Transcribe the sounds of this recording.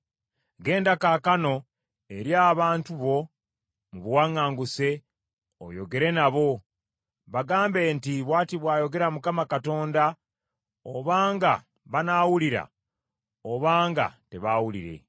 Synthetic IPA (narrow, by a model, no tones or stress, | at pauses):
ɡe̞ːndakakano̞ | e̞ɾjaːβaːntuβo̞ | muβwaːŋaːŋɡuse̞ | o̰jo̞̰ɡe̞ɾe̞naβo̞ | βaɡaːmbe̞ntiβwaːtiβwaːjo̞ɡe̞ɾamukamakato̞ːnda | oβaːŋɡa | βanaːwuliɾa̰ | oβaːŋɡa̰te̞βawulḭɾe̞̰